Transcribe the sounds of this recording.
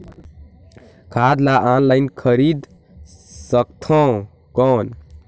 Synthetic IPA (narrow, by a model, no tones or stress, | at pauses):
kʰad̪laʔanlajnkʰəɾid̪ | sək̚t̪ʰɔ̃ | kɔn